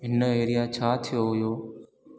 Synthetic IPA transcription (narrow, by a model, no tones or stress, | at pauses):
ɦɪnəeːɾɪjãːt͡ʃʰaːt̪ʰɪjoːɦʊjoː